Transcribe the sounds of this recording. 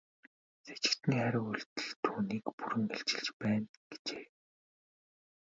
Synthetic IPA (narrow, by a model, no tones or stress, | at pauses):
se̥t͡ɕɪ̥̆kt̪ʰɘ̆ŋχæɾʲɪ̆ŋuɮt̪ɘ̆ɮt̪ʰuːniːkpuɾɘ̆ŋeɬt͡ɕɪ̆ɮt͡ɕpæːnɡ̥e̥t͡ɕeː